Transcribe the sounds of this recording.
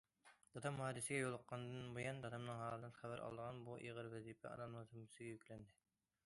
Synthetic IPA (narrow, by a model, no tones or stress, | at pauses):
d̪̥ɑt̪ʰɑmhɑːd̪ɨsɪɡʲɛjolˠəqːɑnd̪ɨnbojɑnd̪ɑd̪ɑmnɨŋɦɑːɾd̪ɨnχæbæɾʔɑ̰lˠd̪əʁɑnbuʔḭʁəɾvɛzipʰɛ̰ɑ̰d̪ɑmnɨŋzumɨsɪɡʲɛjykʲlɛnd̪ɪ